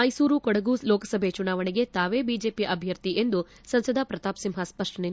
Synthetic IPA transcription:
mɐjsuːɾukɔɽɐɡulɔːkɐsɐbʱet͡ʃunaːʋɐɳiɡe̞t̪aːʋebiːd͡ʒeːpiʔɐbʱjɐɾt̪iʔend̪u | sɐnsɐd̪ʱɐpɾɐt̪aːpsimɦɐspɐʂʈɐne

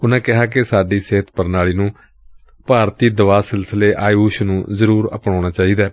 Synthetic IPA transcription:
ʊnãːkɪɦaːkɪsaːɖiːseːət̪ʰpəɾnaːɭiːnũː | paːɾt̪iːd̪əʋaːsɪlsəleːʔaːjuːʃnũːzəɾuːɾə̰pɳãːɽ̃aːt͡ʃaːiːd̪aː

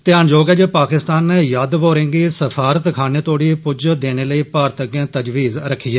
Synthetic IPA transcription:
t̪ɪjaːnd͡ʒoːɡɛːd͡ʒepaːkɪst̪aːnːeːjaːd̪ʋoːɾẽːŋɡiːsəfʰaːɾət̪kʰaːneːt̪oːɽiːpʊd͡ʒd̪eːneːləiːpaːɾt̪əkjẽːt̪əd͡ʒʋiːzɾəkʰːiːɛː

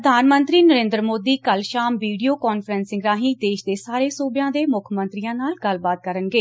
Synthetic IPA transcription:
əd̪ʱaːnmənt̪ɾiːnəɾẽːnd̪ɾəmoːd̪iːkəlʃaːmʋiːɖijoːkɔːnfʰəɾənsɪ̃ŋɡɾãːɦĩːd̪eːʃd̪eːsaːɾeːsuːbɪjãːd̪eːmʊkʰmə̃nt̪ɾiːãːnaːlɡəlbaːt̪̚kəɾənɡeː

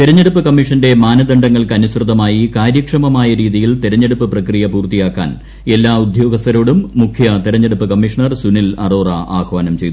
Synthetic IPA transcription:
t̪iɾɐɲːeɽupːɨkɐmːiʂɐnde̞maːnɐd̪ɐɳɖɐŋːɐɭkɨɐnusrɨðɐmaːjikaːɾjɐkʂɐmɐmaːjɐɾiːðijilt̪iɾɐɲːe̞ɽupːɨprɐkrijɐpuːrt̪ijaːkːa̰ːn | e̞lːaːud̪ʱjo̞ːɡɐst̪ɐɾo̞ːɽumːukʰjɐt̪iɾɐɲːeɽupːɨkɐmːiʂɐɳɐrsunilɐ̰roːrɐʔa̰ːkʋaːnɐmt͡ɕe̞jt̪u

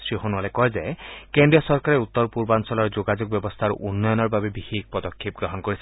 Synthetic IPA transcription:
sɹiɦonualekɔjzekendijɔsɔɹkaɾeut̪ːɔɹpuɹbansɔlɔɹd͡ʒoɡad͡ʒoɡ̚bjɔbɔst̪ʰaɹ̰ʔunːɔjɔnɔɹbabebihik̚pɔd̪ɔkʰːip̚ɡɹɔɦɔnkoɹis

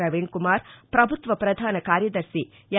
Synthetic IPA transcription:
ɐʋiɳkumaːɾpɾɐbʱut̪ʋɐpɾɐd̪ʱaːnɐkaːɾjɐd̪ɐɾsi | j

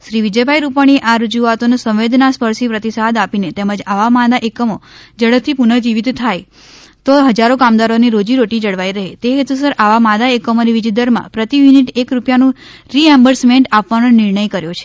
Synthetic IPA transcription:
ʃɾiʋid͡ʒəbʱajɾupaɽ̃ieʔaɾəd͡ʒuat̪onesə̃ʋ̃ʋed̪naspəɾsipɾət̪isad̪apinet̪eməd͡ʒaʋamad̪aʔekəmod͡ʒəɽəp̚t̪ʰːipunəd͡ʒiʋid̪t̪ʰaj | t̪oɦəd͡ʒaɾokamd̪aɾoniɾod͡ʒiɾoʈid͡ʒəɽʋajɾəɦet̪eɦet̪us̬əɾʔaʋamad̪aekəmoniʋid͡ʒid̪əɾmã̰pɾət̪iʋiniʈekɾupjanũ | ɾiɛmbəɾsmeɳʈapʋanonɪɾɳəjkəɾjot͡ʃʰe̥

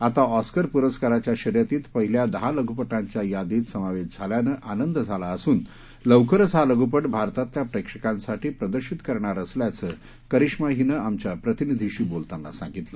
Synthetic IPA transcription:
at̪aɔskəɾpuɾəskaɾat͡ɕjaɕəɾjat̪iːt̪pəɦiljad̪əɦaləɡʱupəʈãɲt͡ɕjajad̪iːt̪səmaʋeɕd͡zʱaljanəʔanənd̪d͡zʱalaəsuːn | ləʋkəɾəd͡zʱɦaləɡupəʈbʱaɾt̪at̪ːjapɾekʂəkãnsaʈiːpɾəd̪əɾɕit̪kəɾɳaɾəsljat͡sə | kəɾiʂmaɦinəamt͡ɕjapɾət̪inid̪ʱiɕiːbolt̪anːa̰sã̰ŋɡit̪lə

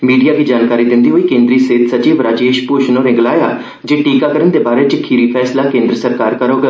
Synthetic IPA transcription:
miːɖijaːkiːd͡ʒaːnkaːɾiːd̪ɪnd̪iːɦoːiːkẽːnd̪ɾiːseːt̪səd͡ʒiːʋɾaːd͡ʒeːʃpʊʃnoːnẽːɡəlaːjaː | d͡ʒeːʈiːkaːkəɾənd̪eːbaːɾeːt͡ʃkʰiːɾiːpʰɛːslaːkẽːnd̪ɾəsəɾkaːɾkəɾoːɡ

